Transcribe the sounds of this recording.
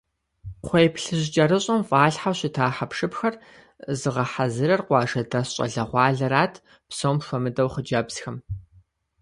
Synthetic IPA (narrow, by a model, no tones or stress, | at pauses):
χʷejpɬɨʑt͡ʃʼɐɾɨɕʼɐmfʼaːɮħawɕɪtʰaːħapʂɨpxɐr | zɨʁɐħazɨɾɐrqʷɑːʒɐdɐsɕʼɐ̰ɮɐʁʷɑːɮɐɾaːtʰ | psowmʃʷɔmɨdɐwχəd͡ʒɐbz̥xɐm